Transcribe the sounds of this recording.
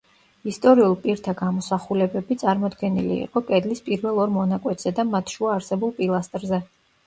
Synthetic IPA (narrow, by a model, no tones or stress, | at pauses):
ist̪ʼɔɾiulˠpʼiɾt̪ʰaɡamɔsaχulɛbɛbit̪sʼaɾmɔd̪ɡɛnilḭḭqʼɔkʼɛd̪lispʼiɾvɛlˠɔɾmɔnakʼwɛt̪ʼz̥ɛd̪amat̪ʰʃuaːɾsɛbulˠpʼilˠast̪ʼɾzɛ